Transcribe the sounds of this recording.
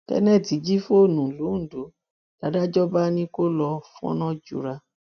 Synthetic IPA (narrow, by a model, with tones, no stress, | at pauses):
tɛ̰˦nɛ̃˦˨ti˨˦d͡ʒi˦fo˦o˦˨nũ˨lu˨˦n̩˨do˨˦ | l̥a˨˦da˦d͡ʒɔ˦ba˦nĩ˧ko˦lɔ˧fɔ̰̃˦nɔ̃˦d͡ʒṵ˨ɾa˧